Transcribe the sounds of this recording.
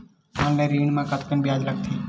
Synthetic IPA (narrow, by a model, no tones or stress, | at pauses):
ənlẽːɾiːɳmãːkət̪ʰkənbɪjaːd͡ʒlək̚t̪ʰiː